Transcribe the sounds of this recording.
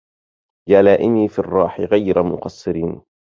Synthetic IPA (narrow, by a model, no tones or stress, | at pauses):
jaːlaːʔɪmiːfirˤːɑːħɪɣajɾamʊ̰qɑsˤːɨɾiːn